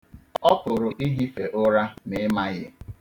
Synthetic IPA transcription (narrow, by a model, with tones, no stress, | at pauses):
ɔ˦pʊ˨ɾʊ˨ʔi˦ɦi˦fe˨ʔʊ˦ɾa˦nɪ˦ma˦jɪ˦